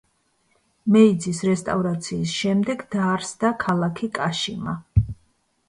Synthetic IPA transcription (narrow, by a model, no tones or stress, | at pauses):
mɛid̪zisɾɛst̪ʼavɾat̪sʰiːsʃɛmd̪ɛɡd̪aɾsd̪akʰalˠakʰikʼaʃima